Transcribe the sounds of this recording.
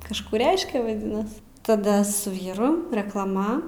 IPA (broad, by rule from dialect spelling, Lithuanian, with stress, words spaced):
kɐʃˈkuː ˈrʲɛɪʃʲkʲɛ ʋɐˈdʲɪnɐs tɐˈdɐ sʊ ˈʋʲiːrʊ rʲɛklˠɐˈmɐ